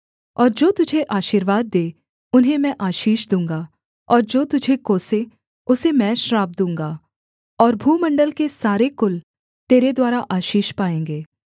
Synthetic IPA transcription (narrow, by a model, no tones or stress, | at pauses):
ɔːɾd͡ʒoːt̪ʊd͡ʒʱeʔaːʃiːɾʋaːd̪̚ːeː | ʊnɦẽmɛ̃ʔaːʃiːʃd̪ũːŋɡa | ɔːɾd͡ʒoːt̪ʊd͡ʒʱekoːse | ʊsemɛ̃ːʃɾaːb̚d̪ũːŋɡaː | ɔːɾbʱuːmɐ̃ɳɖəlkesaːɾekʊl | t̪eːɾed̪waːɾaʔaːʃiːʃpaːẽːŋɡeː